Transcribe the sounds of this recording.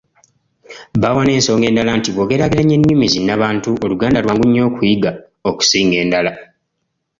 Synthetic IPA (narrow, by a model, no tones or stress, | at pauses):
βawane̞ːnso̞ːŋɡe̞ːndalantiβoːɡe̞ɾaɡiɾaɲːe̞ɲːumizinaβaːntuʔoluɡaːndalwaːŋɡuɲːo̞ːkujiɡa | oku̥siːŋɡe̞ːndala